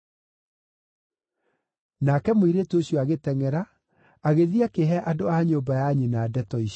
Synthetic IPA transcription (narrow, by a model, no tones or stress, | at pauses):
nakɛmoiɾetoɕjɔaɣetɛŋɛɾa | aɣeðiakeɦɛʔadoaɲoːmbajaɲinadɛtɔiɕ